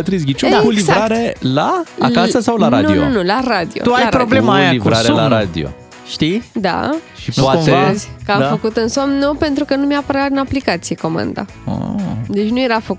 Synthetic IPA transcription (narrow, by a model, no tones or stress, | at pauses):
ət̪ɾiz̬ɡʲit͡ʃunakulivɾaɾe̞laa̰kasəsawlaɾad̪nuinunulaɾad̪iot̪uajpɾoblemajalivɾaseolaɾad̪ḭo̞̰ | ʃt̪id̪a̰ʃiaezʲkəamffəkut̪ɨnsomnupe̞nt̪ɾukənumeapəɾaɨnaplikat̪sijeko̞ma̰nd̪a̰ | a̰d̪e̞t͡ʃʲnuje̞ɾafəku